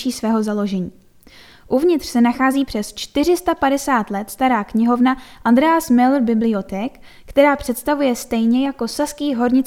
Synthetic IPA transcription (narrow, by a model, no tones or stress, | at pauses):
iːsvɛːɦo̞zalo̞ʒɛɲiː | ʔuvɲɪt̪r̥sɛnaxaːziːpr̥ɛst͡ʃt̪ɪr̝ɪst̪apadɛsaːt̪lɛt̪st̪aɾaːkɲɪɦo̞vnaʔand̪ɾɛaːsmɪlrbɪblɪo̞t̪ɛːkː | t̪ɛɾaːpr̝̥ɛt̪st̪avujɛst̪ɛjɲɛjako̞saskiːɦo̞ɾɲɪt͡s